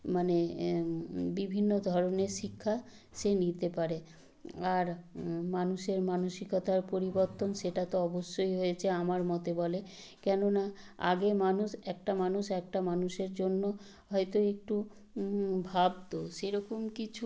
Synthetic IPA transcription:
mane | bibʱinːod̪ʱɔɾoneɾʃikʰːa | ʃenit̪epaɾe | aɾmanuʃeɾmanoʃikot̪ʰaɾpoɾiboɾt̪onʃeʈat̪oɔboʃːojɦojet͡ɕʰeamaɾmɔt̪ebɔle | kɛnona | a̰ɡemanuʃɛk̚ʈamanuʃɛk̚ʈamanuʃeɾd͡ʑonːo | ɦɔjt̪oek̚ʈu | bʱab̚t̪oʃeɾɔkomkit͡ɕʰu

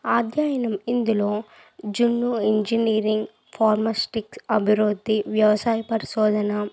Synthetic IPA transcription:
aːd̪ʱjaːjɐnɐmind̪ulo̞ː | d͡ʒunːuiɲd͡ʒiniːɾiŋɡ | pʰaːɾmasʈiksɐbʱiɾud̪ːiʋjɐʋɐsaːjɐpɐɾiʃɔːd̪ʱɐnɐ

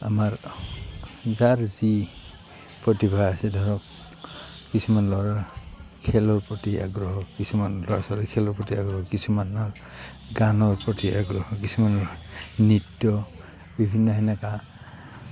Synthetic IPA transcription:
a̰maɹ | zaɹzi | pɹɔtibʱaasɛdʱɔɹɔkː | isumanlɔɹaɹkʰɛlɔɹpɹɔtia̰ɡɹɔɦɔkisumanlɔɹasɔlɛkʰɛlɔɹpɹɔtiaɡɹɔɦɔkisumana | ɡanɔɹpɹɔtiʔaɡɹɔhɔkisumanɔnitːɔ | bibʱinːɔɦɛnaka

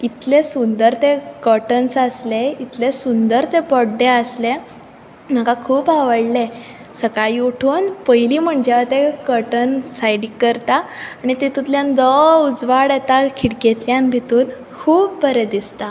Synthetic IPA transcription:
it̪lesund̪əɾt̪ekəʈənsasleit̪lesund̪əɾt̪epɔɽɖeəsle | m̤akakʰuːpaʋəɽle | səkaɭiuʈʰuːnpəjliːm̤əɳd͡ʑaat̪ekəɾʈənsajɖikːəɾt̪aːɽ̃it̪et̪ut̪ljand̪ɔud͡zʋaɽjet̪akʰiɽket̪ljãnbʱit̪ũːt̪ | kʰuːp̚bəɾed̪ist̪a

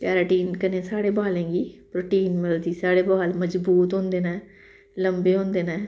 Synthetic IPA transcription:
pɛːɾaːʈiːnkənẽːsaːɽeːbaːlẽːɡiːpɾoːʈiːnməld̪iːsaːɽeːbaːlməd͡ʒbuːt̪ɦõːnd̪eːnɛː | ləmbeːɦõːnd̪eːnɛː

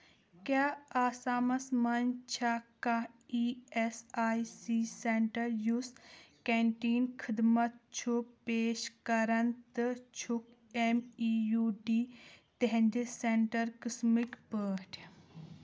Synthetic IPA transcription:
kʲaːaːsaːmɐsmɐnt͡ʃʰakaiːesaːisiseɳʈɐɾjuskeːɳʈiːnkʰid̪mɐt̪̚t͡ʃʰupeːʃkɐɾɐnt̪ɨt͡ʃʰuk | emijuːɖiːt̪eɦɛ̃nd̪eseɳʈɐɾkismikpəːʈʰ

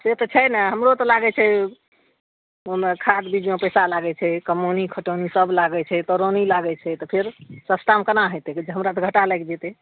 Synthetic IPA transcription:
set̪ɔt͡ʃʰɛjnaɦəmɾot̪ɔlaɡɛt͡ʃʰɛ | omekʰad̪bid͡ʒmepəjsalaɡɛt͡ʃʰɛkəmonikʰəʈonisəblaɡɛt͡ʃʰɛt̪ɔɾonilaɡɛt͡ʃʰɛt̪ɔpʰeɾsəsʈamkənaɦojt̪ɛd͡ʒeɦəmɾat̪ɔɡʱəʈalɛjkd͡ʒet̪ɛ

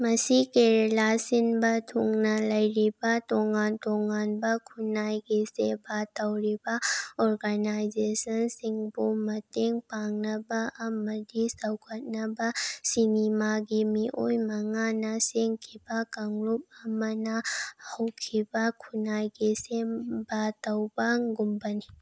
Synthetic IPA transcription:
mɐsikeɾelasinbatʰuŋnalɐjɾibatɔŋantɔŋanbakʰunajɡesebatawɾibaɔɾɡanajzesənsiŋbomɐteŋpaŋnabaʔɐmɐd̪isɐwkʰət̪̚nabasinimaɡimiʔojmɐŋanaseŋkʰibakɐŋlup̚amɐnahɔwkʰibakʰunajɡesebat̪əwbaŋɡʊmbəni

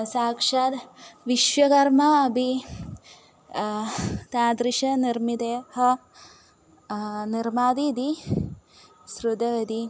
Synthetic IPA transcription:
saːkʂad̪ʋiʃʋɐkɐɾmaɐbʱi | t̪aːd̪ɾiʃɐniɾmid̪eːɦɐ | niɾmaːd̪id̪i | sɾud̪ɐʋɐd̪i

